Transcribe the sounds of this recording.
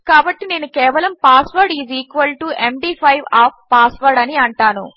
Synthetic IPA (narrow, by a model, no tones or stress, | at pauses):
kaːbɐʈːine̞ːnukɛːʋɐlɐmpaːsʋɐɾɖiːziːkʋɐlʈuʔemɖiːpʰɐjʋaːp̚ʰpaːsʋɐɾɖɐniɐɳʈaːnṵ